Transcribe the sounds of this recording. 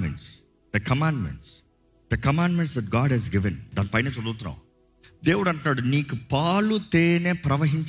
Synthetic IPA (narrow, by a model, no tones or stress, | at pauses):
mɛ̰̃ɳʈs | d̪̥ɐkɐmãːɳɖmɛ̰̃ɳʈs | d̪ɐkɐmãːɳɖmɛ̃ɳʈsd̪ɛʈ̚ɡaːɖɦɛzɡɪʋɛ̃nd̪ɐ̃nfãɪnesɔlːut̪na̰ː | d̪eːʋʊɖɐʈnəɖniːkpaːlut̪eːnepɾɐʋɐɦɪ̃nt͡ʃ